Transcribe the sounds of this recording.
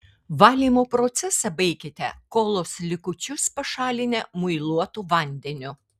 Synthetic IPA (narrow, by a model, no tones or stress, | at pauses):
ʋɑːlʲiːmoːpɾot̪sʲɛsɐbɐɪkʲɪt̪ʲɛkoːlˠoːslʲɪkʊt͡ʃʲʊspɐʃɑːlʲɪnʲɛmʊɪlˠuɔt̪uʋɐnʲd̪ʲɛnʲʊ